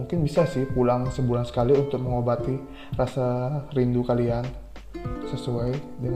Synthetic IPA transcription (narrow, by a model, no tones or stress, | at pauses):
uŋkɪnbisasɪhpulaŋsəbulansə̥kaliunt̪ʊk̚məŋobat̪i | rasarindukalian | səsuajdəŋ